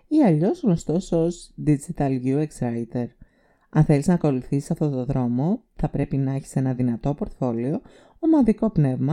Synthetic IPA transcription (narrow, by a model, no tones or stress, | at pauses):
iɐʎo̞zɣno̞st̪o̞sozd̪id͡zit̪ɐlʝueksɾɐit̪e̞ɾ | ɐnθe̞liznɐːko̞luθisisɐft̪o̞t̪oðɾo̞mo̞ | θɐpɾe̞pinɐeçi̥se̞nɐðinɐt̪o̞po̞ɾt̪fo̞lio̞ | omɐnðiko̞pne̞vmɐ